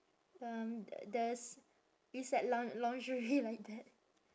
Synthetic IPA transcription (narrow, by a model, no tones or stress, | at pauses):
ʌmdɛs | isɛʔ̚lɔ̃ŋlɔ̃ŋd͡ʒəɹilaɪk̚d̪ɛt̚